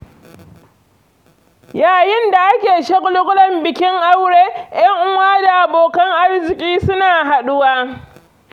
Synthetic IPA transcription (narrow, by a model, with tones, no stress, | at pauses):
jaː˨jɪ˦nda˨ʔa˦kʲeː˨ʃe˦kʼʊ˦lʊ˦kʼʊ˦lɐ˦˨mbɪ˨kʲɪ˦ŋʔa˦wɽeː˦j̰ɐ˦ŋʔʊ˦waː˦da˨ʔa˨boː˨kɐ˦ŋʔa˦rzɪ˨kʲʼiː˦sʊ˦naː˨ɦa˨ɗʊ˦waː˦